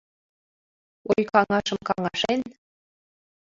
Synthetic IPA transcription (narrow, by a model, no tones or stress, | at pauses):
ojkɑŋɑʃəmkɑŋɑʃen